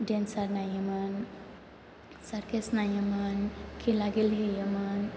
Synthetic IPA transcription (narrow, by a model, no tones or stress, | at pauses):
ɖensaɾnajimən | səɾkesnajimənkʰĩlaɡelɦejəmən